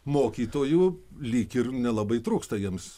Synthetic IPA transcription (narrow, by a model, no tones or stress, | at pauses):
moːkʲiːt̪oːjuː | lʲiːkɪrnʲɛlˠɐbɐɪt̪ɾuːkst̪ɐjiɛms